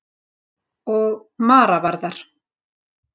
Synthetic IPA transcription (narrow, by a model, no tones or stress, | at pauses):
ɔɣmaːɾavaɾðaɾ̥